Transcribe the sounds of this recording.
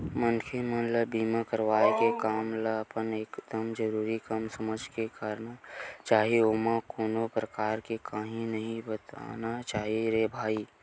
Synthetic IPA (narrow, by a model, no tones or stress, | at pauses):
mənkʰemənləbiːmakəɾʋaːekekaːmləpəneːkd̪̥əmd͡ʒəɾuːɾikɐmsɐməd͡ʒʱkekaːɾnat͡ʃaːɦieoːmakoːnopɾəkaːɾkekaːɦĩnɐɦĩbət̪a̰ːnat͡ʃaːɦiɾeːbʱaːi